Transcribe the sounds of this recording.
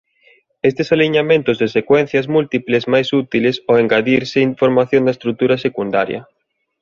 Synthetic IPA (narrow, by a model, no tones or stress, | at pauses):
est̪esaliɲamẽnt̪ʊzðesekwɛn̟θjɐzmult̪iplezmajsut̪ilesoeŋɡaðiɾseiɱfoɾmaθjõnd̪ɐest̪ɾut̪uɾɐsekund̪a̰ɾjɐ̰